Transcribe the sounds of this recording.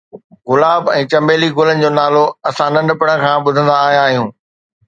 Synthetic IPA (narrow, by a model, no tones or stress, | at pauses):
ɣʊlaːbɛ̃ːt͡ɕɐ̃mbeːliɡʊlənɪ̆d͡ʑoːnaːloɐsãnɐ̃ɳɖpɐɽə̃̆kʰãːɓʊd̪ʱə̃nd̪aːɦijãːɦijũː